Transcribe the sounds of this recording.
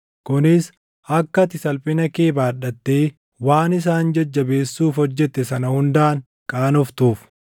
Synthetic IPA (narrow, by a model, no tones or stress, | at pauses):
kʊnɪs | ʔɐkːɐt̪ɪsɐlpʼɪnɐkeːbaːɗɐt̪ːeː | waːnɪs̬aːnd͡ʒɐd͡ʒːɐbe̞ːsːuːfhɔd͡ʒːɛt̪ːɛsɐnɐhʊnd̪aːŋ | kʼaːnɔft̪uːf